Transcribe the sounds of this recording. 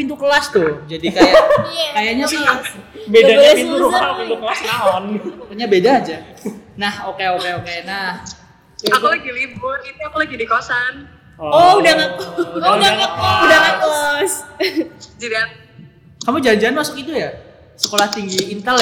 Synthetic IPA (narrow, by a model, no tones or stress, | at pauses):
pint̪ukəlast̪ʊd͡ʒadikajakajaɲat̪ʊbedaɲapinuɾuapint̪ukəlasnaɦɔnkəɲabedaːd͡ʒanahokeokeokenah | akulaɡilibʊrit̪uakulaɡidikosan | ɔudaŋakdaudaŋakɔs | d͡ʒadia | kamud͡ʒaɲd͡ʒaanmasʊkit̪uja | səkolaht̪iŋɡiːnt̪əlɛ